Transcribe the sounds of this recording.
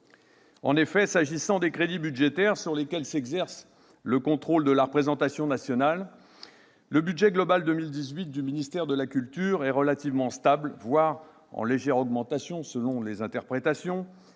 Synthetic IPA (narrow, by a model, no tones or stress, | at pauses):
ɑ̃nefɛsaʒisɑ̃d̪ekχed̪ibyd̪ʒet̪ɛʁsyʁlekʲɛlsɛɡzɛʁs | ləkɔ̃t̪χold̪əlaʁəpχezɑ̃t̪asjɔ̃nasjɔnalː | əbyd̪ʒɛɡlɔbald̪ømild̪izɥit̪̚d̪yminist̪ɛʁd̪əlakʲylt̪yʁɛʁəlat̪ivmɑ̃st̪ablvwaʁ | ɑ̰̃leʒɛʁɔɡmɑ̃t̪asjɔ̃səlɔ̃lezɛ̃t̪ɛʁpχet̪asjɔ̃